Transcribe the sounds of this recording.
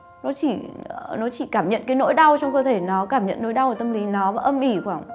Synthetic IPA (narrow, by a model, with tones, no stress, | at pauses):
nɔ˨˦t͡ɕi˧˩nɔ˨˦t͡ɕi˧˩kaː˧˩mɲə̰˧˨nkaː˨˦jno̰˧˥jɗa˧wt͡ɕɔ˧wŋ͡mkəː˧t̪ʰe˧˩nɔ˨˦kaː˧˩mɲə̰˧˨nːo̰˧˥˦jɗa˧wə˨˩t̪ə˧mli˨˦nɔ˨˦vaː˨˩ʔə˧mʔi˧˩xwaː˧˩ŋ